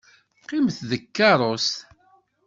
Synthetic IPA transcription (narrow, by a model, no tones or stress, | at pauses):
qːimθðəkːɑɾˤos